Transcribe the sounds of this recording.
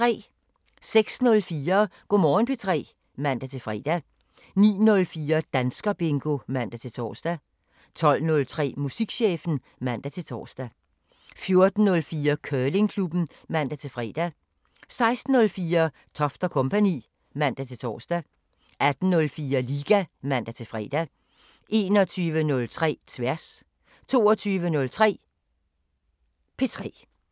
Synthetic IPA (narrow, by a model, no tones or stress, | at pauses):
t͡sʁɛ̰ː | seɡ̥snɔ̽lfiːɐɡ̥omɒːnpʰe̝t͡sʰʁɛ̰ː | mæn̰d̥æt͡sʰe̝lfʁɛ̰ːd̥æ | nḭːnɔ̽lfiːɐd̥ænsɡ̥ɐb̥e̝ŋɡ̥o̝mæn̰d̥æt͡sʰe̝t͡sʰɒ̰ːsd̥æ | t͡sʰɒ̽l̰nɔ̽lt͡sʰʁɛ̰ːmusiɡ̥ɕḛːfn̩ | mæn̰d̥æt͡sʰe̝lt͡sʰɒ̰ːsd̥æ | fjo̝ɐd̥n̩ːɔ̽lfiːɐkʰœːle̝ŋkʰlub̥n̩ | mæn̰d̥æt͡sʰe̝lfʁɛ̰ːd̥æ | sɑ̈ɪsd̥n̩nɔ̽lfiːɐ | t͡sʰɒ̽fd̥ɐkʰɔ̽mpʰænḭː | mæn̰d̥æt͡sʰe̝t͡sʰɒ̰ːsd̥æ | ʔæd̥n̩nɔ̽lfiːɐliːɡ̥æmæn̰d̥æt͡sʰe̝fʁɛ̰ːd̥æ | ʔe̝ːnɒ̽t͡sʰyːʋənɔ̽lt͡sʰʁɛ̰ːt͡sʰʋæɐ̰s | t͡sʰo̝ːɒt͡sʰyːʋənɔ̽lt͡sʰʁɛ̰ː | pʰe̝t͡sʰʁɛ̰ː